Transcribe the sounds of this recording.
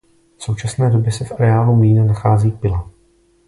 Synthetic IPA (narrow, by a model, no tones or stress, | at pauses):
fso̞wt͡ʃasnɛːdo̞bjɛsɛfʔaɾɛaːlumiːnanaxaːziːpɪla